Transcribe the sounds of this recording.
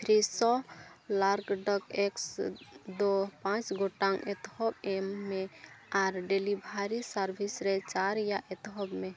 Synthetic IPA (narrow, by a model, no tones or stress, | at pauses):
t̪ʰɾisɔlaɾɡɖəkeksd̪opãt͡ʃɡoʈaŋɛt̪hɔbemːeaɾɖelibʱaɾisaɾbʱisɾɛt͡ʃaɾjaʔɛt̪ɦɔbme